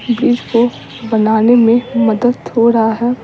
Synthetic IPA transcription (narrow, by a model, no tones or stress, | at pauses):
biːd͡ʒko | bɐnaːnemẽmɐd̪əd̪hoɾɐɦaɦɛː